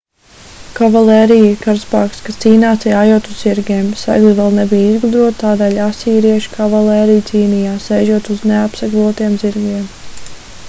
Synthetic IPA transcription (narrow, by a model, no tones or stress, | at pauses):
kavalˠɛːɾijiɾkaɾspaːkskast̪siːnaːsiaːjuɔt̪uzz̥iɾɡʲeːmsa̰ɡlˠivɛlˠnɛbijizɡlud̪ɾuɔt̪t̪aːd̪ɛːlʲasiːɾiɛʃkavalˠɛːɾijt̪siːnijaːsɛjʒuɔt̪uzneapsaɡlˠuɔt̪iɛmziɾɡiɛm